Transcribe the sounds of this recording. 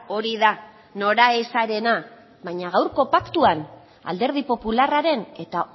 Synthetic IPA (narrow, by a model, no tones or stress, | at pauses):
o̞ɾiða | no̞ɾaesaɾe̞na | βajɲaɣ̞awɾko̞pakt̪uan | a̰ld̪e̞ɾð̞ipo̞pularaɾe̞ne̞t̪a